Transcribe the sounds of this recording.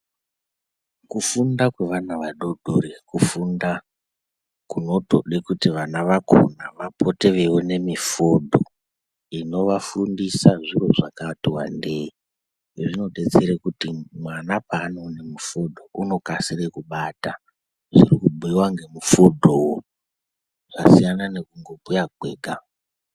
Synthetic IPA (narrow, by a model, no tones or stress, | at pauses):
kufundakwe̞ʋanaʋaɗo̞ɗʱorekufunda | kuno̞to̞̰ɗekutiʋanaʋakʰo̰naʋapʰo̞te̞ʋe̞wone̞mifo̞dʱo̞ | ino̞ʋafundisaʐiro̞ʐakatiwa̰ndei | ʐino̞ɗe̞t͡seɾekutimwanapaːno̞nemufodʱo̞uno̞kasirekuɓata | ʐirikubʱuiwaŋɡe̞mufodʱowo | ʐasijanane̞kuŋɡo̞pujaɡʱwe̞ːɡʱa